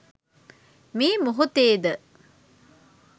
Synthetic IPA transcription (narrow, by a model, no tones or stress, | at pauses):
miːmuɦut̪eːd̪ə